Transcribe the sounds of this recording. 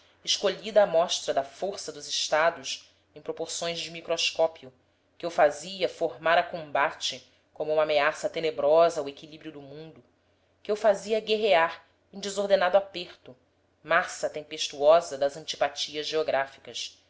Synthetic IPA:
ɪʃkoʎid̪ɐːmɔʃt̪ɾɐd̪ɐfoɾsɐd̪ʊzɪʃt̪ad̪ʊs | ẽj̃pɾopoɾsõj̃zd͡ʒɪmikɾoskɔpiʊ | kɪewfaziɐfoɾmaɾɐkõmbat͡ʃɪ | kõmʊũmɐameasɐt̪enebɾɔzɐwekilibɾjʊd̪ʊmũnd̪ʊ | kɪewfaziɐɡeɦeaɾ | ẽj̃d͡ʒɪzoɾd̪enad̪ʊapeɾt̪ʊ | masɐt̪ẽpeʃt̪uɔzɐd̪ɐzɐ̃nt͡ʃi̥pat͡ʃiɐzʒeoɡɾafi̥kɐs

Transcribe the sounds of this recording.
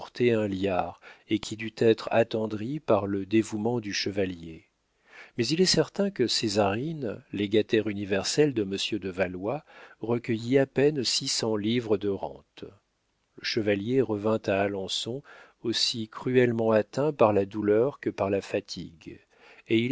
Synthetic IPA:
t̪eɛ̃ljaːʁekʲʰid̪yt̪ɛt̪χa̰t̪ɑ̃d̪ʁipaʁləd̪evumɑ̃d̪yʃəvalje | mɛzilɛsɛʁt̪ɛ̃kəsezaʁinleɡat̪ɛʁynivɛʁsɛld̪əməsjød̪əvalwaʁəkʲəjiapɛnsisɑ̃livʁəd̪əʁɑ̰̃t̪ | ləʃəvaljeʁəvɛ̃t̪aːlɑ̃sɔ̃ | osikχyɛlmɑ̃at̪ɛ̃paʁlad̪ulœʁkəpaʁlafat̪ʰḭɡ | eil

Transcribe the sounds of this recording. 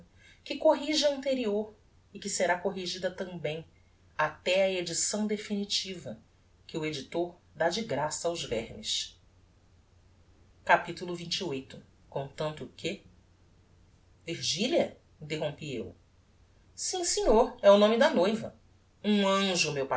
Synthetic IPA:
kɪkoɦiʒɪɐ̃nt̪eɾioɾ | ɪkɪseɾakoɦiʒid̪ɐt̪ɐ̃mbẽj̃ | at̪ɛɐed͡ʒisɐ̃w̃d̪efinit͡ʃivɐ | kɪued͡ʒit̪oɾd̪ad͡ʒiɡɾasɐawzvɛɾmiʃ | kapit̪ulʊvĩt͡ʃiojt̪ʊ | kõt̪ɐ̃nt̪ʊkɪ | viɾʒiliɐ | ĩnt̪eɦõpiḛw | sĩsẽɲoɾɛʊnõmɪd̪ɐnojvɐ̰ | ũɐ̃ʒʊmewpa

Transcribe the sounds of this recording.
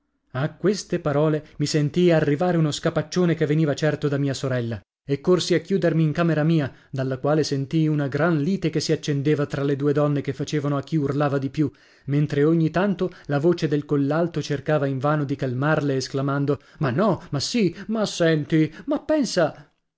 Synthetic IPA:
akːwest̪epaɾɔːlemisent̪ijarːivaːɾeunoskapat͡ʃːoːnekevːeniːvat͡ʃɛrt̪od̪amiːasoɾɛlːa | ekːorsiakːjuːd̪ermiːŋkaːmeɾamiːa | d̪alːakwaːlesent̪ijunaɡɾanliːt̪ekesiat͡ʃːend̪eːvat̪ɾaled̪uːed̪ɔnːekefːat͡ʃeːvanoak̟ːiurlaːvad̪ipju | ment̪ɾeoɲːit̪ant̪olavoːt͡ʃed̪elkolːalt̪ot͡ʃerkaːvaiɱvaːnod̪ikalmarleːsklamand̪o | manːɔmasimasɛnt̪imapːɛnsa

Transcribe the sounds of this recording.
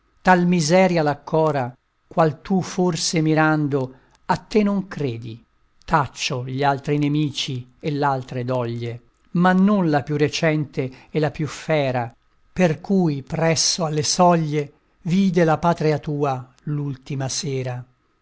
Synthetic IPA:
t̪almizɛːɾjalakʰːɔːɾa | kwalt̪uforsemiɾand̪o | at̪ːenoŋkɾeːd̪i | t̪at͡ʃːoʎialt̪ɾinemiːt͡ʃielalt̪ɾed̪ɔʎːe | manːonlapjuret͡ʃɛnt̪eɛlːapjufɛːɾa | perkujpɾɛsːoalːesɔʎːe | viːd̪elapaːt̪ɾiat̪uːa | lult̪imaseːɾa

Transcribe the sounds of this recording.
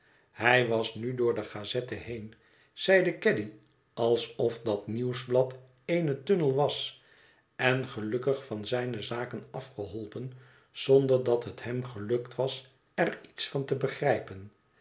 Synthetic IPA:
hɛjʋɑsnydʊːɹdəχaːzɛtəhejn | z̥ɛjdəkɛdi | ʔɑlˠsɔfdɑtniwzblɑt | ejnətønəlˠʋɑs | ɛnχəlɵkəχfɑnzɛjnəzaːkənɑfχəɦɔlˠpən | z̥ɔnd̪əɹdɑt̪ɦəthɛmχəlɵktʋɑs | ɛritsfɑntəbəχrɛjpən

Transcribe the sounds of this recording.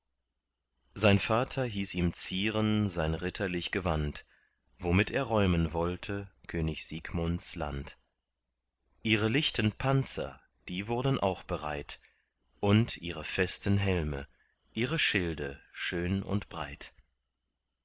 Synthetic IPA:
zaɪnfaːtʰɐɦiːsiːmt͡siːʁənzaɪnʁɪtʰɐlɪçɡ̥əvant | v̥omɪteːɐʁɔʏmənvɔltʰəkʰøːnɪçz̥iːɡmɔntsla̰nt | ʔiːʁəlɪçtʰənpʰant͡sɐ̰ | d̥iːvʊɐdən̩ʔa̰ʊxb̥əʁa̰ɪt | ʔʊntʰʔiːʁəfɛstən̩ɦɛlmə̰ | ʔiːʁəʃɪldə̰ʃøːnʊ̰ntb̥ʁa̰ɪt

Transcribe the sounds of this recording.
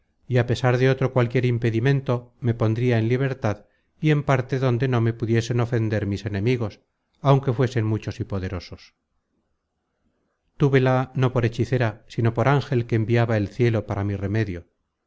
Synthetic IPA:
iape̞saɾðe̞o̞t̪ɾo̞kwalkje̞ɾimpe̞ðimẽ̞nt̪o̞me̞po̞nd̪ɾiaenliβ̞e̞ɾt̪að | ie̞mpaɾt̪e̞ðo̞nd̪e̞no̞me̞puðje̞se̞no̞fe̞nd̪e̞ɾmise̞nẽ̞miɣo̞s | awŋke̞fwe̞se̞nmut͡ʃo̞sipo̞ðe̞ɾo̞so̞s | t̪uβe̞lano̞po̞ɾe̞t͡ʃiθe̞ɾasino̞po̞ɾaŋxe̞lkeːmbiaβaelθje̞lo̞paɾamire̞me̞ðjo̞

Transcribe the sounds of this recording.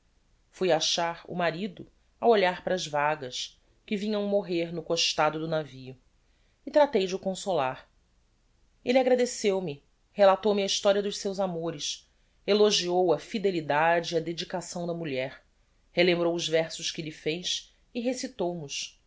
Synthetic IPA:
fujaʃaɾṵmaɾid̪ʊ | awoʎaɾpɾɐːzvaɡɐs | kɪvĩɲɐ̃w̃moɦeɾnʊkoʃt̪ad̪ʊd̪ʊnavijʊ | ɪt̪ɾat̪ejd͡ʒɪʊkõsolaɾ | elɪaɡɾad̪esewmɪ | helat̪owmɐiʃt̪ɔɾiɐd̪ʊʃsewzamoɾɪs | eloʒiowɐfid̪elid̪ad͡ʒɪiɐd̪ed͡ʒikasɐ̃w̃d̪ɐmuʎɛɾ | helẽmbɾowʊzvɛɾsʊʃkɪʎɪfejs | ɪɦesit̪owmʊʃ

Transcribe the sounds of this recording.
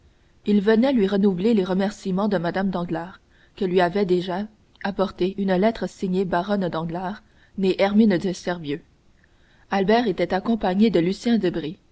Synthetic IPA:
ilvənɛlɥiʁənuvleleʁəmɛʁsimɑ̃d̪əmad̪amd̪ɑ̃ɡlaːʁ | kəlɥiavɛd̪eʒa | apɔʁt̪eʔynlɛt̪χəsiɲebaʁɔnd̪ɑ̃ɡlaːʁ | neʔɛʁmind̪əsɛʁvjø | albɛːʁet̪ɛt̪akɔ̃paɲed̪əlysjɛ̃d̪əbʁi

